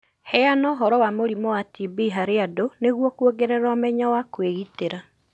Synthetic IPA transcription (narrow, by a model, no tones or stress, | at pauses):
hɛanɔɦɔɾɔwamoɾimɔwatibiɦaɾeadoneɣwɔkuoɡeɾɛɾaɔmɛɲawakweɣiteɾa